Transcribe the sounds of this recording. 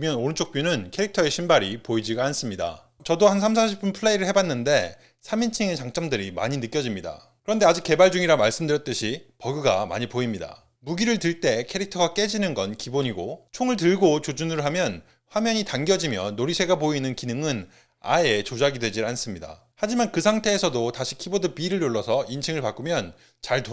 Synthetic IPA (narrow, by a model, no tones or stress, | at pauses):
mjʌnoɾɯnt͡ɕʰok̚p͈junɯnkʰe̞ɾik̚tʰʌe̞ɕʰimbaɾipoid͡ʑiɡans͈ɯmɲida̰ | t͡ɕʌdohansʰams̬ʰaɕʰip͈unpʰɯɭːeiɾɯɭhebanːɯnde̞ | sʰamint͡ɕʰiŋe̞t͡ɕaŋt͡ɕ͈ʌmdɯɾima̰ɲinɯk͈jʌd͡ʑimɲida̰ | kɯɾʌnde̞ad͡ʑik͈ːe̞baɭd͡ʑuŋiɾamaɭs͈ɯmdɯɾjʌt̚t͈ɯɕʰipʌɡɯɡama̰ɲipoimɲida̰ | muɡiɾɯɭtɯɭt͈e̞kʰe̞ɾik̚tʰʌɡak͈e̞d͡ʑinɯnɡʌnkiboɲiɡot͡ɕʰoŋɯɭt̬ɯɭɡot͡ɕod͡ʑunɯɾoɦamjʌn | ɸwamjʌɲitaŋɡjʌd͡ʑimjʌnːoɾisʰe̞ɡapoinɯnkinɯŋɯn | a̰et͡ɕod͡ʑaɡidwe̞d͡ʑians͈ɯmɲida̰ | had͡ʑimankɯsʰaŋtʰe̞ːsʰʌdotaɕʰi̥kʰibodɯpiːɾɯɭjoɭːʌsʰʌint͡ɕʰiŋɯɭpak͈umjʌn | t͡ɕaɭto